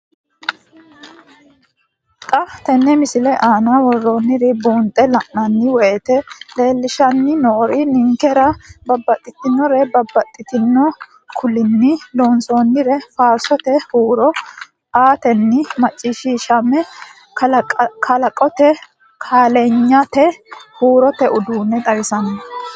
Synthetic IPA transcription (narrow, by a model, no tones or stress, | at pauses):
kʼɐft̪ɛnːɛmɪsɪlɛʔaːnawɔrːoːnːɪɾɪbuːnt̪ʼɛlɐʔnɐnːɪwɛt̪ɛle̞ːlːɪʃɐnːɪnoːɾɪnɪŋkɛɾɐbɐbːɐt̪ʼːɪt̪ɪnːɔɾɛbɐbːɐt̪ʼːɪt̪ɪnːɔ | kʰʊlɪnːɪloːnsoːnːɪɾɛfaːɾsɔt̪ɛhuːɾɔ | aːt̪ɛnːɪmɐt͡ʃʼːiʃiʃɐmːɛ | kkʰɐlɐkʼɔt̪ɛ | kʰaːleɲːat̪ɛhuːɾɔt̪ɛʔʊd̪uːnːɛt̪ʼɐwɪsɐnɐ